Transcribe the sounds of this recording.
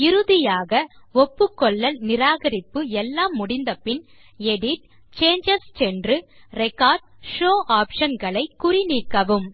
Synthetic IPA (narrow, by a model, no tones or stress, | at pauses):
ɪɾɯðɪjaːɣɐɔpːɯkːɔɭːɐlnɪɾaːɣɐɾɪpːɯɛlːaːmːʊɽɪnd̪ɐpɪn | ɛɽɪʈ̚ | t͡ʃeːɲd͡ʒɐssɛndrɯɾɛkaːɾɖ̚ʂoːʔaːpʂɐnɡɐɭɐɪkːʊrɪniːkːɐʋɯm